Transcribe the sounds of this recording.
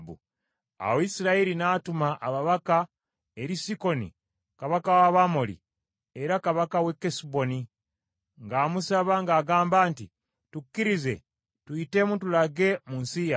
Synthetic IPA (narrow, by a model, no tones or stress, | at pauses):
bṵ | a̰woisiɾaiɾinaːtumaʔaβaβaka | e̞ɾisiko̞nḭ | kaβakawaβamolḭ | eɾakaβakawe̞kːesibo̞ni | ŋɡaːmusaβaŋɡaːɡaːmbaːnti | tukːiɾize̞ | tuite̞mutulaɡe̞munsija